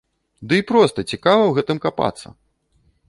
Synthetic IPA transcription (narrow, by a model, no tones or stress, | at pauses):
d̪ɨipɾɔst̪ɐt͡sʲikavɐwɣɛt̪ɨmkapa̰t̪sːɐ̰